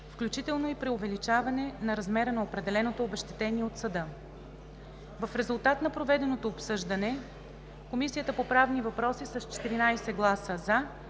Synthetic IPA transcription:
fklʲut͡ʃit̪ɛlˠnoipɾɛovɛlit͡ʃavɐnɛnɐɾɐzmɛɾənɐopɾɛd̪ɛlɛnot̪oːbɛʃt̪ɛ̥t̪ɛniɛot̪sɐd̪ɤ | vɐfɾɛzulˠt̪at̪nɐpɾovɛd̪ɛnot̪oːpsɤʒd̪ənɛ | komisijət̪əpopɾavnivɐpɾɔsisɐst͡ʃɛ̥t̪iɾinajsɛɡlˠasəza

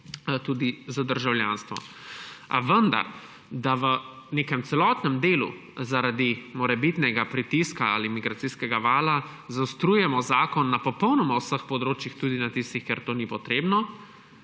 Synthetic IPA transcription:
t̪uːd̪izad̪əɾʒawljanst̪ʋɔ̰a̰ʋənd̪a̰ɾ | d̪aʋəneːkɛmt̪sɛlɔt̪nɛmd̪eːlṵ | zaɾad̪imɔɾɛbit̪nɛɡapɾit̪iskaa̰limiɡɾat̪siskɛɡaʋaːla | zawst̪ɾuːjɛmɔzaːkɔnːapɔpəwnɔmawsəxpɔd̪ɾoːt͡ʃjixt̪uːd̪inat̪ist̪ixkeɛɾt̪oːnipɔt̪ɾeːbnɔ

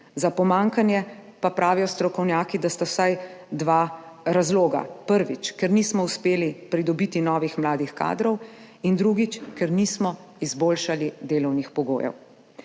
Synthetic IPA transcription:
zapɔmaːŋkanjɛpapɾʔaːʋijɔst̪ɾɔkɔwnjaːkid̪ast̪awsajd̪ʋaːɾazloːɡa̰pəɾʋit͡ʃkɛɾniːsmɔuspeːlipɾid̪ɔbit̪inɔːʋixmlaːd̪ixka̰ːd̪ɾɔw | ind̪ɾuɡit͡ʃkɛɾnismɔ | izboːlʃalid̪eːlɔwnixpɔɡo̰ːjɛ̰w

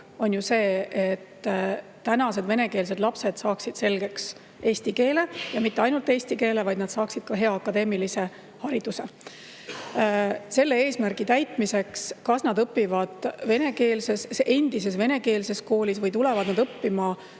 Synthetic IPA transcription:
o̞njuse̞ːʔet̪ː | ænɑse̞d̪ve̞ne̞ke̞ːls̬e̞d̪lɑpse̞d̪̥sɑːksid̪̥se̞lɡ̥e̞ks | e̞ːsʲt̪ike̞ːle̞jɑmit̪ːeɑjnult̪ˑe̞ːsʲt̪ike̞ːle̞vɑjd̪nɑd̪̥sɑːksid̪̥kɑɦe̞ɑɑkːɑd̪e̞ːmilise̞ | hɑɾid̪use̞ | se̞lːe̞e̞ːsmærɡ̥it̪æjt̪mise̞kskɑsnɑd̪ɤpːivɑd̪̥ve̞ne̞ke̞ːlse̞ssʔe̞nd̪̥ise̞sve̞ne̞ke̞ːlse̞sko̞ːlʲisvɤjt̪ule̞vɑd̪nɑd̪ɤpːimɑ

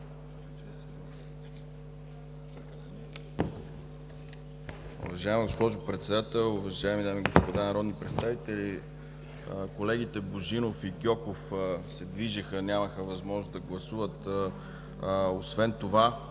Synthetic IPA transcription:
ṵvɐʒaimɡospɔʒʊpɾɛt̪sɛd̪at̪ɛlˠuvɐʒaɛmid̪amiɡospod̪anɐɾɔd̪nipɾɛt̪st̪avit̪ɛli | kolɛɡit̪ɛboʒinofikʲɔkofsɛd̪viʒəxənʲaməxəvɐzmɔʒnozd̪ɐɡlˠɐsuvət̪ | osvɛnt̪ova

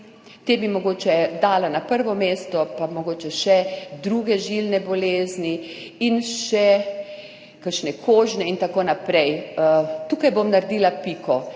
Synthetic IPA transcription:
t̪eːbimoɡoːt͡ʃɛd̪aːlanapəɾʋɔmeːst̪ɔpamoɡoːt͡ʃɛʃɛd̪ɾuɡɛʒilnɛbɔleːzni | inʃɛ | kəɾʃnɛkʰoːʒnɛint̪akoːnapɾɛj | t̪uːkajbomnaɾd̪iːlapikɔ

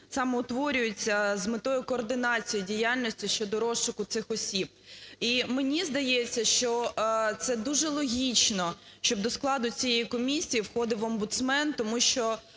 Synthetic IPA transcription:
sɑmɛʊt̪ʋɔɾʲʊjʊt͡sʲːɐzmɪt̪ɔjʊkɔːrd̪ɪnɑt͡sʲijʊdʲijalʲnʲɔsʲtʲiʃt͡ʃɔd̪ɔɾɔʃʊkʊt̪sɪxɔsʲib̚ | imenʲizd̪ɐjet͡sʲːɐʃt͡ʃɔt̪sɛd̪uʒɛlˠɔɦʲit͡ʃnɔ | ʃt͡ʃɔb̚d̪ɔsklˠɑd̪ʊt͡sʲijɛjikɔmʲisʲijiwxɔd̪ɪʋɐmbʊt̪smɛnt̪ɔmuʃt͡ʃɔ

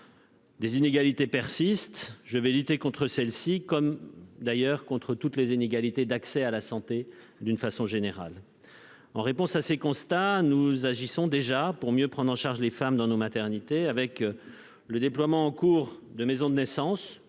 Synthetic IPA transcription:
d̪ezineɡalit̪epɛʁsist̪ʒəvɛlyt̪ekɔ̃t̪χəsɛlsikɔmd̪ajœʁkɔ̃t̪χət̪ut̪lezineɡalit̪ed̪aksɛalasɑ̃t̪e | d̪ynfasɔ̃ʒeneʁa̰l | ɑ̃ʁepɔ̃sasekɔ̃st̪anuzaʒisɔ̃d̪eʒapuʁmjøpχɑ̃d̪ʁɑ̃ʃaʁʒlefamd̪ɑ̃nomat̪ɛʁnit̪eavɛk | ləd̪eplwamɑ̃ːkuːʁd̪əmezɔ̃d̪ənɛsɑ̃s

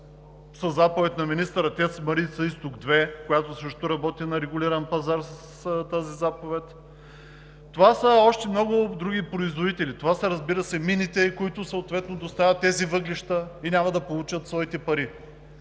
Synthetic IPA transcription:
sɐzapovɛt̪ʲnɐminist̪əɾɐt̪ʲɛsmɐɾit̪sɐist̪ʊɡd̪vɛkojat̪ʊsɾəʃt̪oɾɐbɔt̪inɐɾɛɡʊlʲiɾɐnpɐzaɾsəst̪azizapovɛt̪ | t̪ovasəɔʃt̪ɛmnɔɡʊd̪ɾuɡ̟ipɾoizvod̪it̪ɛlit̪ovasɐɾɐzbiɾəsɛminit̪ɛikʊit̪ʊsəot̪vɛt̪nod̪ost̪avʲɐt̪ːɛzivɤɡliʃt̪əinʲamɐd̪ɐpolˠut͡ʃət̪svɔit̪ɛpɐɾi

